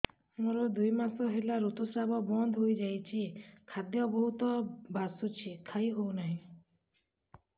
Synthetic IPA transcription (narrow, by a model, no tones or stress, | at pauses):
moɾɔd̪ujmasɔɦelaɾot̪usɾabɔbɔnd̪ʱɦojd͡ʒajt͡ʃʰikʰad̪jɔbɔɦut̪ɔbasut͡ʃʰikʰajɦownaɦĩ